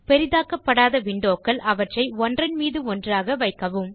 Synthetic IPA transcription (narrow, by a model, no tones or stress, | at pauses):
pɛɾɪðaːkɐpːɐɽaːðɐʋɪɳɖoːkːɐɭʔɐʋɐʈrɐɪɔndrɐnmiːðɯɔndraːɣɐʋɐɪkːɐʋɯm